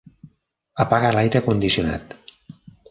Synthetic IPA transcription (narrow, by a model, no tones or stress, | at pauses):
əpaɣəlajɾəkund̪isiuna̰t̪